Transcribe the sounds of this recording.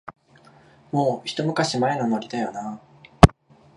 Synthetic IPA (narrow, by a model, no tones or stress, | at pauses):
mo̞ːçi̥t̪o̞mɯ̟kaɕimaenanoaɾʲit̪ajona